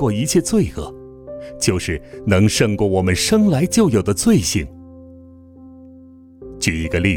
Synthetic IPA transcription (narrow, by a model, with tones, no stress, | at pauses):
wɔ˥˩i˧˥t͡ɕʰjɛ˥˧t͡swe˥˩ɪɤ̰˨˩˦ | t͡ɕjo˥˧ʊʂɻ̩˥˩nɤ˧˥ŋʂɤ˥˧ŋkwɔ˥˩wɔ˨˩mə˦nʂɤ˥ŋla˧˥ɪt͡ɕjo˥˩ʊjo˨˩ʊd̪ə˦t͡swe˥˧ɪɕi˥˩ŋ | t͡ɕy˨˩i˧˥ɡə˧li˥˩